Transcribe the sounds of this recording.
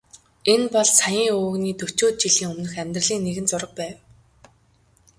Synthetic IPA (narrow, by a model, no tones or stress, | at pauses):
enpɔɮsajiːŋɵːɣniːt̪ɵ̥t͡ɕoːt̪̚t͡ɕiɮiːŋɵmnɵ̆xæmʲt̪rə̆ɮiːŋneɣɘ̆nt͡sʊɾə̆q̚pæːw